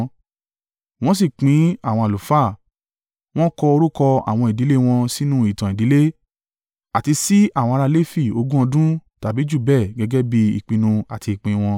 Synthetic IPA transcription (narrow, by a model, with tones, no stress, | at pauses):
w̃ɔ̃˦s̬i˦˨k͡pĩ˨˦a˦˨w̃ɔ̃˧a˨lu˨fa˦˨ | w̃ɔ̃˦kɔ˧o˧ɾu˦kɔ˧a̰˨w̃ɔ̃˧i˨di˨˦le˦w̃ɔ̃˧si˦nũ˦i˦˨tã˨i˨di˨˦le˦ | a˨ti˧si˦a˦˨w̃ɔ̃˧ɾa˧le˦fi˦˨o˧ɡũ˦ɔ̃˧dũ˦ta˨bi˨˦d͡ʒu˦˨bɛ˦˨ɡɛ˨˦ɡɛ˦bi˧ḭ˨k͡pĩ˧nũ˧a˨ti˧˨k͡pĩ˨˧w̃ɔ̃˧